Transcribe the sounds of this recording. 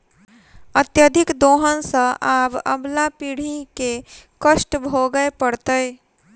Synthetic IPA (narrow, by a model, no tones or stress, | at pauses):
ət̪jəd̪ʱɪkd̪oːɦənsə̃ʔaːbə̰blapiɽ̤ikekəʃʈbʱoɡəepəɽt̪əj